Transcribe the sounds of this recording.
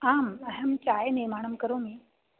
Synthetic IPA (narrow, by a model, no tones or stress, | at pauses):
aːməɦəmt͡ɕajniɾmaɽ̃əmkəɾomiː